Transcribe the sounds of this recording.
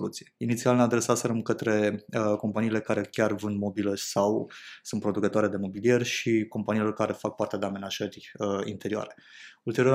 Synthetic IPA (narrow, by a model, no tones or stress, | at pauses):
lut̪sijeinit̪sialnead̪ɾe̞sat̪seɾemkət̪ɾe̞əko̞mpaniːle̞kaɾe̞kʲarvɨnd̪mo̞biləsawsunt̪pɾo̞d̪ukət̪oaɾe̞d̪e̞mo̞bilie̞rʲʃiko̞mpanilo̞rkaɾe̞fak̚part̪ead̪eame̞naʒərʲəḭnt̪e̞ɾioa̰ɾe̞ | ult̪e̞ɾio